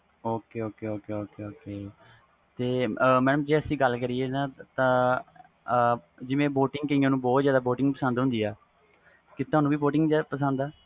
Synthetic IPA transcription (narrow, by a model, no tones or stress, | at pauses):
oːkeːoːkeːoːkeːoːkeːoːkeː | t̪eːmɛːnəmd͡ʒeːəsĩːɡəlːkəɾiːeːnãːt̪ãː | d͡ʒɪʋẽːboːʈɪŋɡkəiãːnũːbɔːt̪zjaːd̪aːboːʈɪ̃ŋɡ̚pəsə̃nd̪ɦʊ̃nd̪iːɛː | kɪt̪oaːnũːʋiːboːʈɪŋɡd͡ʒːpəsə̃nd̪aː